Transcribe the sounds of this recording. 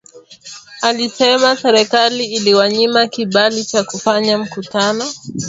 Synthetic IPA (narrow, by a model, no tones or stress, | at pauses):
alisɛmasɛɾɛkaliːliwaɲimakiɓalit͡ʃakufaɲam̩kutanɔ